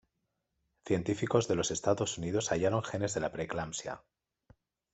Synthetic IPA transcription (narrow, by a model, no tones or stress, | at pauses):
θje̞nt̪ifiko̞zðe̞lo̞se̞st̪aðo̞sunið̞o̞saʝaɾo̞ŋxe̞ne̞zðe̞lapɾeklamsja̰